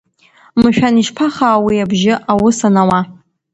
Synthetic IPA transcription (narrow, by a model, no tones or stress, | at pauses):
mɨʃᶣaniʃpʰaχaːwiabʒɪʔawʊsanawa